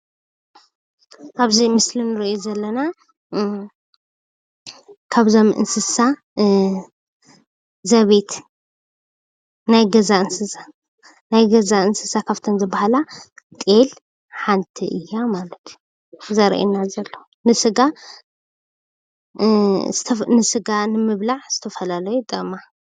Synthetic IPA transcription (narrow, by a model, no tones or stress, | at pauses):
kaβzimɨslinɨɾiuzɐlːɐna | kʰaβzo̞mʔɨ̰nsɨsa | zɐβet̪ʰ | najɡɐzaɨnsɨsa | najɡɐzaɨnsɨsakʰaft̪ʰɐnzɨbahalat̪ʼel | ħant̪ʰiʔɨjːamalɐt̪ʰju̥ | zɐɾʔḛnazɐlːo | nɨsɨɡa | t̪ʰɐnɨsɨɡanɨmɨβlaʕz̥ɨt̪ʰɐfɐlalɐjut̪ʼɨma